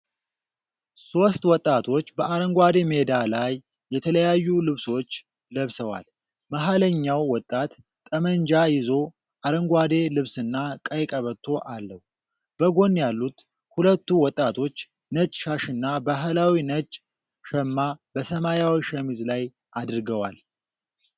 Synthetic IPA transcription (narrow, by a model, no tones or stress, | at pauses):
so̞st̪wɔt̪ʼːat̪ʰo̞t͡ʃːbəʔaɾəŋɡʷwad̪e̞me̞d̪alajː | ɛt̪ʰələjajːulɨβso̞t͡ʃː | ləβsəwa̰l | maɦaləɲːawːɔt̪ʼːat̪ːʼ | əməɲd͡ʒajɪzo̞ | ʔaɾəŋɡʷad̪e̞lɨβsɨnːakʼəjkʼəβət̪ʰːo̞ʔalːəh | b̥əɡo̞njalːut̪ | hulət̪ːuwɔt̪ʼːat̪ʰo̞t͡ʃː | nət͡ʃʼʃaʃɨnːabaɦəlawinət͡ʃʼ | ʃəmːabəsəmajawiʃɛmizlaj | ʔad̪ɨɾɡəwa̰l